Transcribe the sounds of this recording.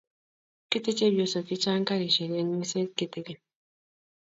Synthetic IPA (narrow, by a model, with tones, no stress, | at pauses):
ki˦t̪e˦t͡ʃe˦bjo˨so˨ki˦t͡ʃa˦ŋ˦ka˦ɾi˨ʃɛ˨ɾje˦ŋi˦se˦ki˦te˦ɡe˨